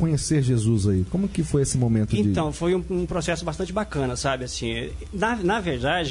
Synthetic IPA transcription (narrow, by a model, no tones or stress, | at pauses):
kõɲeseɾʒezuzaikõmʊkɪfojesɪmomẽnt̪ʊẽd͡ʒɪt̪ɐ̃w̃fojũũpɾosɛsʊbast̪ɐ̃t͡ʃɪbakɐ̃nɐsabɪasĩ | nɐnɐveɾd̪ad͡ʒɪ